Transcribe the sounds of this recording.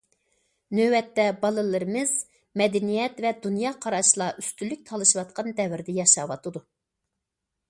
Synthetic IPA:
nøwɛt̪ːɛbɑlˠɨlˠɨɾɨmɨz̥ | mɛd̪ɛnijɛt̪vɛd̪unjɑːqʰɑɾɑʃlˠɑʔyst̪ylːyk̚ʲt̪ʰɑlˠɨʃɨwɑt̪̚qɑnd̪ɛvɪɾd̪ɪjɑʃɑwɑt̪ʰɨd̪u

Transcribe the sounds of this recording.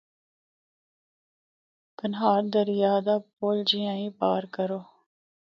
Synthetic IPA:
kənɦaːɾd̪əɾɪjaːd̪aːpoːld͡ʒiãːĩːpaːɾkəɾoː

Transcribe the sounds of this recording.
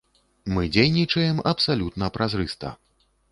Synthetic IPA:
mɨd͡zʲejnʲit͡ʂɐjɛmɐpsalʲut̪nɐpɾazɾɨst̪ɐ̰

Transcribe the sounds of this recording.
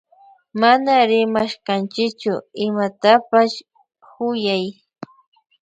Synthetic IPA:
manaɾɪmaʃkant͡ʃɪkt͡ʃʊɪmat̪apaʃ | hʊjaj

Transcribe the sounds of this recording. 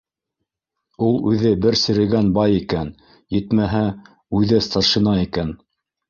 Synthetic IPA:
ulˠʉðɘbɘɾsɘ̆ɾɘ̆ɡænbɑjikæn | jɘ̆t̪mæɦæ | ʉðɘst̪ɑɾʃɤ̆nɑikæn

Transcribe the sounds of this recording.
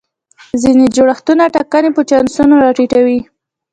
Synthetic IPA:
zined͡ʒoɽaxt̪unaʈɑkanepət͡ʃɑnsunoɾɑʈiʈawi

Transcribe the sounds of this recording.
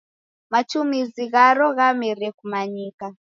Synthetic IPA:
mat͡ʃumiziɣaɾɔɣamirɛkumaɲiːka

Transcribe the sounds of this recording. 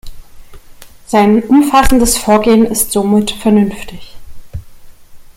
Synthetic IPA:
z̥aɪnʔʊmfasn̩dəsfoːɐɡeːənɪstz̥oːmɪtfɛɐnʏnftɪç

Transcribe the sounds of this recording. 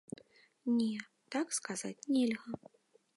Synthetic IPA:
nʲɛ | t̪akskaza̰t͡sʲnʲɛlʲɣɐ

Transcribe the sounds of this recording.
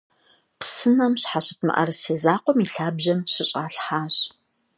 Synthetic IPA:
psɨnɐmɕħaɕʼɐtʰmɐ̰ʔɐ̰rseːzaːqʷɔmiːɬaːbʒɐmɕɪɕʼaːɬħaːɕ

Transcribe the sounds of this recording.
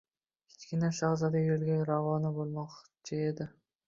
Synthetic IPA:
kʲʰɪ̥t͡ʃkʲɪnaʃɑʁzad̪ajolɡʲaɾavɒnɪbolˠmɒqt͡ʃʰɪed̪ɪ

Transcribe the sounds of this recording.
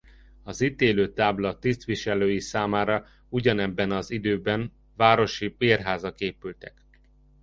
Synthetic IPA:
ɒzit̪eːløːt̪aːblɒt̪ist̪ʋiʃɛløːjisaːmaːɾɒ | uɟɒnɛbːɛnɒzid̪øːbɛn | vaːɾo̞ʃibeːrɦaːzɒkeːpylt̪ɛk

